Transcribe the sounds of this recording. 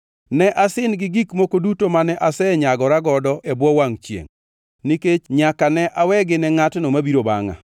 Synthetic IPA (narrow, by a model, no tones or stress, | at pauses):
nɛʔasɪnɡɪɡikmokodutomanɛʔasɛɲaɡɔɾaɡɔdɔʔɛbwɔwaŋt͡ʃjḛŋ | niket͡ʃɲakanɛʔawɛɡɪnɛŋatnomabiɾoba̰ŋa̰